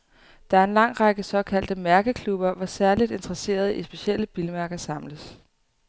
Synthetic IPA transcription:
d̥ɑ̈æɐe̝nlɑ̈ŋ̰ʁɑɡ̥əsɒ̽kʰæl̰d̥əmæɐɡ̥əkʰlub̥ɐʋɒsæɐlid̥e̝nd̥ʁɐse̝̰ːɐð̞ˠisb̥e̝ɕel̰əb̥iləmæɐɡ̥ɐsɑ̈mləs

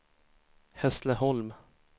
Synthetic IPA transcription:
hɛsləɦɔlm

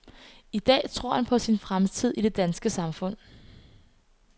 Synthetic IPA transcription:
id̥ɛ̰ːt͡sʰʁo̝ɐ̰hænpʰɒ̽sinfʁamt͡sʰið̞̰ˠiɾ̥e̝d̥ænsɡ̥əsɑ̈mfɔ̽n̰

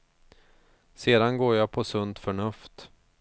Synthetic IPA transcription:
seːd̪anɡoːɾjapʰɔsɵnt̪fœɳɵft̪

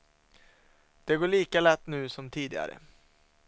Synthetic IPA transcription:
d̪̥ɛɡoːɭiːkalɛt̪ːnʉ̟ːsɔmt̪ʰiːd̪ɪɡa̰ɾə̰

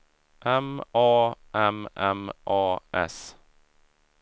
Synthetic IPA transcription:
ʔɛmɑːʔɛmɛmʔɑːɛ̰s

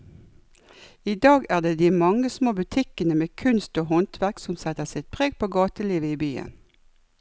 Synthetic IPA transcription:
iːd̪ɑːɡæːʁd̪eːd̪iːmɑŋəsmoːbʉt̪ʰɪkənəmeːkʰʉnst̪oːhɔnt̪ʰʋæʁksɔmsɛt̪əʁsɪt̪̚pʰʁeːɡ̚pʰoːɡɑːt̪əliːʋəiːbyːə̰n

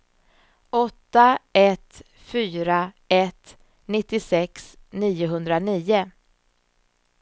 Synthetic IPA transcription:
ɔt̪ːaɛt̪ | fyːɾa | ɛt̪ | nɪt̪ːɪsɛks | niːʊɦɵnd̪ɾaniːʊ

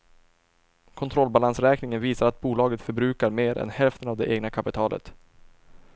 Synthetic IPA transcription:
kʰɔnt̪ʰɾɔlbalansɾɛːknɪŋənviːsaɾat̪̚buːlɑːɡət̪fœɾbɾʉ̟ːkaɾmeːɾʔɛ̰nhɛlft̪ənavd̪ɛʔeːɡnakʰapɪt̪ʰɑːlʔə̰t̪

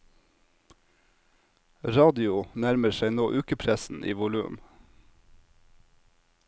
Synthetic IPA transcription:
ɾɑːd̪ɪʊnæɾməʃæɪnoːʔʉːkəpʰɾæsn̩ʔḭːʋʊlʉ̰ːm

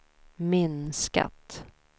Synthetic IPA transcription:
mɪnska̰t̪

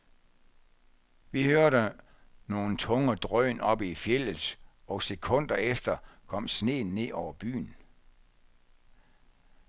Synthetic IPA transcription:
ʋihøɐɾə | no̝ːn̩t͡sʰɔ̽ŋəd̥ʁœːnʔɒ̽b̥ifjel̰əs | ɒ̽se̝kʰɔ̽n̰d̥ɐefd̥ɐkʰɒ̽m̰sne̝̰ːnːe̝̰ːɒʊɐb̥y̰ːn̩

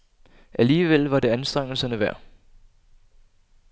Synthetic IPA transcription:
ʔæliːʋelʋɑ̈de̝ænsd̥ʁaŋ̰l̩sɐnəʋæɐ̰

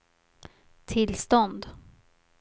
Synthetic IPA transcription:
t̪ʰɪlst̪ɔnd̪

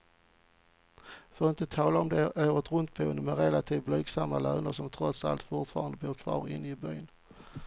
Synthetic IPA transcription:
fœɾɪnt̪ət̪ʰɑːlaɔmd̪ɛʔøːvət̪ɾɵnt̪̚buːnəmɛɾɛlat̪ʰiːvblyːɡsamːalœːnəɾʂɔmt̪ʰɾɔt̪sa̰lt̪fʊʈfɑːɾand̪əbuːkʰvɑ̰ːɾɪ̰nːɪbœjn

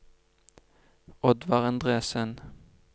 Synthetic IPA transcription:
ɔd̪ʋɑʁɑnd̪ʁeːsən

